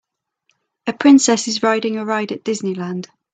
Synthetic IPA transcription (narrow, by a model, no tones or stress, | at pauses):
əpʰɹ̥ɪ̃nsɛsɪzɹaɪdɪ̃ŋəɹaɪdəʔd̥ɪznɪlãnd̥